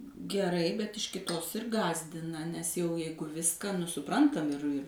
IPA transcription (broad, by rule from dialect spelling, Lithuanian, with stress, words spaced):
ɡʲɛˈrɐɪ bʲɛt ɪʃ kʲɪˈtoːs ɪr ˈɡɑːzʲdʲɪnɐ nʲɛs jɛʊ ˈjɛɪɡʊ ˈʋʲɪskɑː nʊ sʊˈprɐntɐm ɪr ɪr